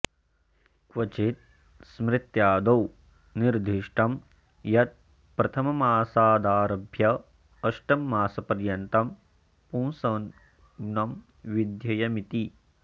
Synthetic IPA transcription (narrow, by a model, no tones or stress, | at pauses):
kʋɐt͡ʃit̪̚ | smɾɪt̪jaːd̪ɐw | niɾd̪ʱiʂʈɐm | jɐt̪̚ | pɾɐt̪ʰɐmɐmaːsaːd̪aːɾɐbʱjɐ | ɐʃʈɐmːaːsɐpɐɾjɐnt̪ɐm | pũːsɐn | nɐm | ʋid̪jɐjɐmit̪i